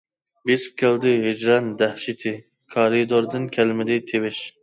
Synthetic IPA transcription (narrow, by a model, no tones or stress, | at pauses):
bisp̚kʲʰɛld̪ɪɦɪd͡ʒɾɛnd̪æhʃit̪ʰɪ | kʰɑɾid̪oɾd̪ɨnkʲʰælmɪd̪ɪt̪ʰewɪʃ